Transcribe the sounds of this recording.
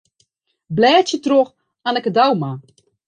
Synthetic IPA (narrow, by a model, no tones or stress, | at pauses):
blɛːtjətrox | anɛkədawma